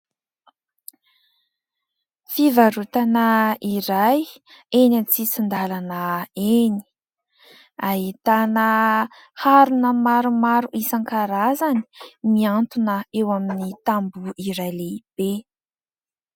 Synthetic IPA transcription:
fivaɾut̪anəiɾajenant͡sit͡sind̪alanəeni̥ | aɦit̪anə | haɾunəmaɾumaɾuʔisaŋkaɾazani̥miant̪unəewaminit̪ambuiɾajleib̥e

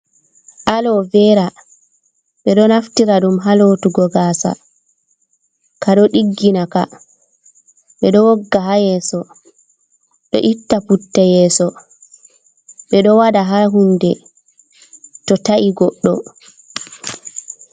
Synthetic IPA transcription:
ʔalɔvɛɾa | ɓɛɗɔnaftiɾaɗumɦaloːtuɡɔɡaːsa̰ | kaɗɔɗiɡːinaka̰ | ɓɛɗɔwɔɡːaɦajɛːsɔ | ɗɔ̰ʔitːafutːɛjɛːsɔ | ɓɛɗɔwadaɦaɦundɛ | tɔtaʔiɡɔɗːɔ̰

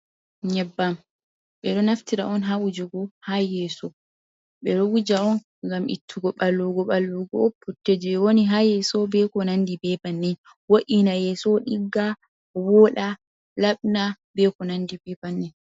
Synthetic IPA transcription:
ɲɛbːam | ɓɛɗɔnaftiɾa̰ɔnɦawud͡ʒɔɡɔhajɛsɔ | ɓɛɗɔwud͡ʒaɔn | ɡamḭtʰːuɡɔɓalːuɡɔɓalːuɡɔɔpːutːed͡ʒɛɛwoniɦajɛsɔbɛkɔnandibɛbanːɛn | woʔinajɛsɔɗiɡːa | wɔɗa | laɓnabɛkɔnandibɛbanːɛn

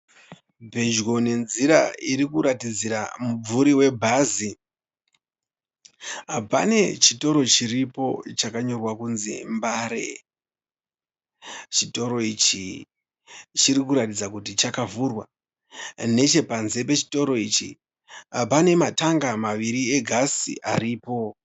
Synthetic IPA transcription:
bʱe̞d͡ʒɣo̞ne̞nziɾa̰iɾikuɾatid͡ziɾamub͡vuɾiwe̞bʱazi | ɦapa̰ne̞t͡ʃito̞ɾo̞t͡ʃiripo̞t͡ʃakaɲo̞rwakunzḭmbaːɾe̞̰ | t͡ʃito̞ɾo̞it͡ʃi | t͡ʃiɾikuɾatid͡zakutit͡ʃakavurwa | ne̞t͡ʃe̞panze̞pe̞t͡ʃi̥to̞ɾo̞it͡ʃḭ | apane̞mataŋɡamaʋiɾie̞ɡʱasḭʔaɾiːpo̞

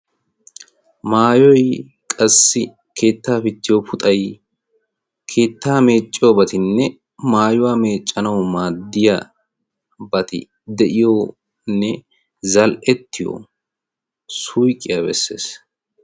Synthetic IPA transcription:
maːjɔj | kʼɐsːɪ | kʰe̞ːt̪ːaːfɪt̪ːɪjopʊt̪ʼɐj | kʰe̞ːt̪ːaːme̞ːt͡ʃʼːɪjobɐt̪ɪnːɛ | maːjʊwaːme̞ːt͡ʃʼːɐnɐwmaːd̪ːɪjɐ | bɐt̪ɪ̰ | d̪ɛʔɪjoː | nːɛ | zɐlʔɛt̪ːɪjo̰ | sujkʼːɪjabɛsːḛːs

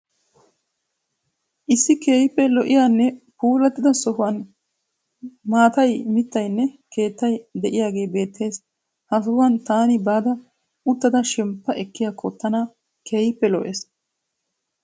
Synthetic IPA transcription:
ʔɪsːɪke̞ːjpːɛlɔʔɪjaːnːɛpuːlɐt̪ːɪd̪ɐsɔɦʊwɐn | maːt̪ɐjmɪt̪ːɐjnːɛke̞ːt̪ːɐjd̪ɛʔɪjaːɡe̞ːbe̞ːt̪ʰːe̞ːs | hɐsɔhʊɐnt̪aːnɪbaːd̪ɐ | ʊt̪ːɐd̪ɐʃɛmpːɐʔɛkːɪjaːkʰɔt̪ːɐna | kʰe̞ːjɪpːɛlɔʔeːs

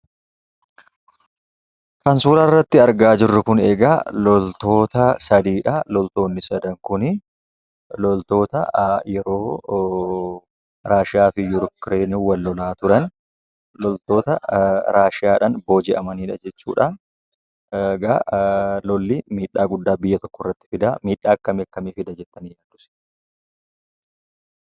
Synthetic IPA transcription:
kɐnsuːlɐrːɐt̪ːɪɐɾɡaːd͡ʒɪrːɐkʊneːɡalɔlt̪o̞ːt̪ɐsɐd̪iːᶑɐlɔlt̪o̞ːnːɪsɐd̪ɐŋkʊnɪ | lɔlt̪o̞ːt̪ɐjɛɾo̞ː | ɾaːʃɪaːfɪjʊɾkɾeːniwɐlːɔlaːt̪ʊɾɐn | lɔlt̪o̞ːt̪ɐɾaːʃɪaːᶑɐnbo̞ːd͡ʒɪʔɐmɐniːᶑɐd͡ʒɛt͡ʃːṵːᶑɐ | ɡɐlɔlːimiːᶑːaːɡʊd̪ːaːbɪjːɐt̪ɔ̥kːɔrːɐt̪ːɪ̥fɪd̪amiːᶑaːkːɐmekːɐmifɪd̪ɐd͡ʒɛt̪ːɐnijaːnd̪ʊsɛ̥

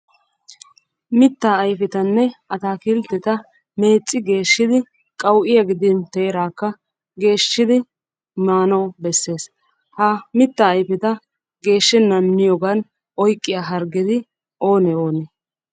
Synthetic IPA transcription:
mɪt̪ːaːjfɛt̪ɐnːɛɐt̪aːkilt̪ːɛt̪ɐ | me̞ːt͡sʼːɪɡe̞ːʃːɪd̪ɪ | kʼɐwʔɪjɐɡɪd̪ɪnt̪eːɾaːkːɐ | ɡe̞ːʃːɪd̪ɪ | maːnɔbɛsːe̞ːs | hɐmɪt̪ːɐːjfɛt̪ɐ | ɡe̞ːʃːɛnːɐmːɪjɔɡɐn | ɔjkʼːɪjaːɦɐɾɡɪd̪ɪ | ʔo̞ːnɛoːnɛ

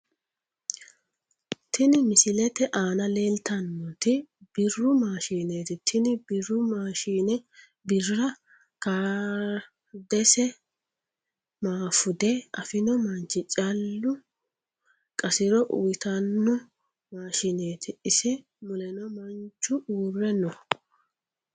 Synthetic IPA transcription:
t̪ɪnɪmɪsɪlɛt̪ɛʔaːnɐle̞ːlt̪ɐnːɔt̪ɪb̥ɪrːʊmaːʃiːneːt̪ɪt̪ʰɪnɪbɪrʊmaːʃiːnɛ | bɪrːɐ | kaː | d̪ɛsɛ | maːfʊd̪ɛɐfɪnɔmɐnt͡ʃːɪt͡ʃʼɐlːʊ | kʼɐsɪɾɔʔʊjt̪ɐnːɔ | maːʃɪneːt̪ʰɪɪsɛ | mʊlɛnɔmɐnt͡ʃːʊʔuːrːɛnɔ

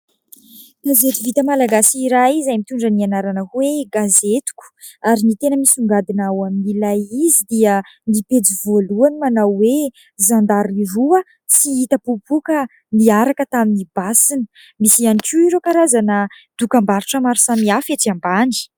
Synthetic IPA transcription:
ɡ̥azet̪uvit̪əmalaɡasiɾaizajmit̪uɳɖ͡ʐənianaɾanəkweɡazet̪u̥ku̥ | aɾinit̪enəmisuŋɡad̪inawaminilajizid̪iə | nipet͡sivoluanimanawwe | zand̪aɾiɾuə | siit̪əpupukə | niaɾakət̪aminibasinə̥ | misianikuiɾokaɾazanə | d̪̥ukambaɾuʈ͡ʂəmaɾusamiafeʈ͡ʂiambaɳɖ͡ʐi̥

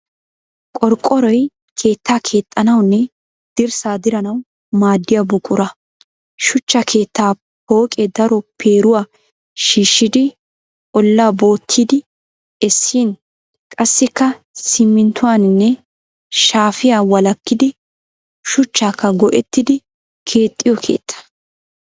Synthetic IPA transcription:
kʼɔɾkʼːɔɾɔj | kʰe̞ːt̪ːaːkʰe̞ːt̪ʼːɐnɐwnːɛ | d̪̥ɪɾsaːd̪ɪɾɐnɐw | maːd̪ːɪjabʊkʼːʊɾɐ | ʃʊt͡ʃːɐkʰe̞ːt̪ːaː | po̞ːkʼɛd̪ɐɾɔpʰe̞ːɾʊwaː | ʃiːʃːɪd̪ɪ | ɔlːaːbo̞ːt̪ʰːiːd̪ɪ | ɛsːiːn | kʼɐsːɪkːɐ | sɪmːɪnt̪ːʊwaːnɪnːɛ | ʃaːfɪjaːwɐlɐkːɪd̪ɪ | ʃʊt͡ʃːaːkːɐɡɔʔɛt̪ːɪd̪ɪ | kʰe̞ːt̪ʼːɪjɔkʰe̞̰ːt̪ʰːɐ̥

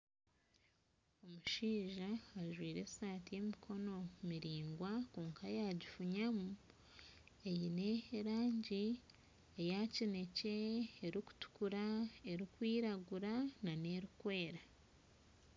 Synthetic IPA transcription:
o̞muʃiːʒaːʒwiːɾe̞saːtije̞mikʰo̞no̞miɾiːŋɡwakuːŋkʰajaɟifuɲamu | ejine̞ɾaːɲɟi | ejacine̞ce̞ːɾiku̥tu̥kuɾae̞ɾikwiːɾaɡuɾanane̞ɾukwe̞ːɾa

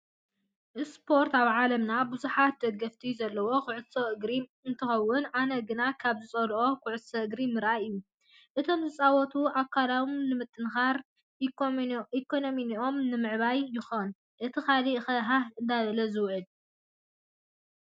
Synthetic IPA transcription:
ʔɨspʰo̞ɾt̪aβʕalɐmnabuzuħat̪̚d̪ɐɡɐft̪ʰizɐlːɐwo̞kʰʊʕʊsoʔɨɡɾi | ɨnt̪ʰɨxɐwːʊnʕanɐɡɨnakʰaβzɨt͡sʼɐlo̞kʰʊʕʊsɐɨɡɾimɨɾʔaʔɨjːu | ʔɨt̪ʰo̞mzɨt͡sʼawɔt̪ʰuʔakʰːalamnɨmɨt̪ʼːɨnxaɾ | ʔikʰːonominiʔo̞mnɨmɨʕβajːɪxon | ʔɨt̪ʰɨxalixɐɦahɨnd̪aβɐlɐzɨwʕɨl

